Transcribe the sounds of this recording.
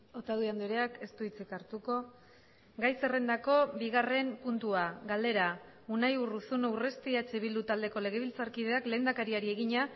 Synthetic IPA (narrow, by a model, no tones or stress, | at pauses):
o̞t̪aðuiand̪ioɾeake̞st̪uit͡sikaɾt̪uko̞ | ɡajse̞re̞nd̪ako̞biɣare̞mpunt̪uaɣald̪e̞ɾa | unajurusunawre̞st̪iat͡ʃeβild̪ut̪ald̪e̞ko̞le̞ɣ̞e̞β̞ilt͡saɾkiðe̞akle̞ːnd̪akaɾiaɾie̞ɣiɲa